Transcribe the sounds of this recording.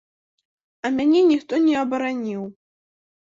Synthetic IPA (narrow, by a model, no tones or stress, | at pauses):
ɐmʲanʲɛnʲixt̪ɔnʲɛɐbɐɾanʲiw